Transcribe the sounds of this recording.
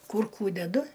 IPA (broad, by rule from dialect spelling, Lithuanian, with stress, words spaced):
ˈkʊr ˈkuː dʲɛˈdʊ